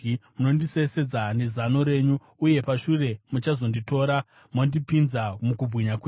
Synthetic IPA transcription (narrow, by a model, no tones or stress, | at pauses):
muno̞ndise̞se̞d͡zanezano̞ɾe̞ːɲu | uje̞paʃure̞mut͡ʃazo̞ndito̞ɾa | mondipinzamukub͡vʱɣiɲakwe